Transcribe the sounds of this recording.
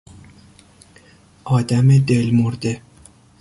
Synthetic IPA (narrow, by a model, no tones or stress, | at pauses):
ʔɒːd̪æmed̪elmoɾd̪e